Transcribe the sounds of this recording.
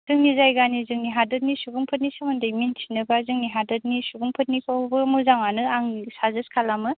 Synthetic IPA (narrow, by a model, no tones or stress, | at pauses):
zɯŋnizajɡanizɯŋniɦadɯt̚nisubuŋpʰɯt̬̚nisɯmɯndɐjmintʰi̥nɯbazɯŋniɦadɯt̚nisubuŋpʰɯt̚nikʰawbɯmuzaŋanɯaŋsazɯskʰalamɯ